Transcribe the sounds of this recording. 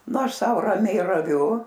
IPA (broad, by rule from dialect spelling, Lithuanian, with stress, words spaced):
nʊ ˈɐʃ ˈsɐʊ rɐˈmʲɛɪ rɐˈʋʲʊ